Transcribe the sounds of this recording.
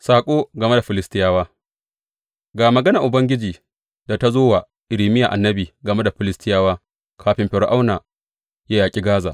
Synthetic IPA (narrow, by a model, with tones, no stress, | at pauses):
saː˨kʷʼoː˦ɡɐ˨me˦da˨ɸɪ˨lɪ˦stɪ˦jaː˦waː˦ | ɡaː˨mɐ˨ɡɐ˦na˨ʔʊ˨bɐ˦ŋɡʲɪ˦d͡ʒiː˨ | da˨ta˦zoː˦wa˨ | ʔɪ˨ɾiː˨mɪ˦ja˨ʔa˨nːɐ˦biː˨ɡɐ˨me˦da˨ɸɪ˨lɪ˦stɪ˦jaː˦waː˦ | kʰaː˨ɸɪ˦mɸɪ˨ɽʔa˦wnaː˨ | jaː˦jaː˨kʲʼi˦ɡaː˦za̰ː˨ʔ